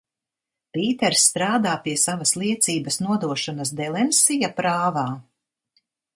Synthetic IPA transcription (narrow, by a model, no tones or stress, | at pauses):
piːt̪ɛɾsːt̪ɾaːd̪aːpiɛsavɐslˠiɛt̪siːbɐsnuɔd̪uɔʃɔnɐsd̪ɛlˠɛnsijapɾaːvaː